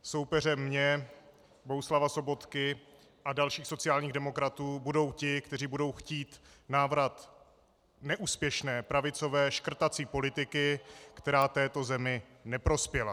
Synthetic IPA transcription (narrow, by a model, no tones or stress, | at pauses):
so̞wpɛrɛmɲɛ | boɦuslavaso̞bo̞t̪kɪ | ʔadalʃiːxso̞t͡sɪaːlɲiːɣdɛmo̞kɾat̪uːbudo̞wcɪkt̪ɛriːbudo̞wxciːt̪naːvɾat̪ | nɛʔuːspjɛʃnɛːpɾavɪt͡so̞vɛːʃkr̩t̪at͡siːpo̞lɪt̪ɪkɪkt̪ɛɾaːt̪ɛːt̪o̞zɛmɪ | nɛpɾo̞spjɛla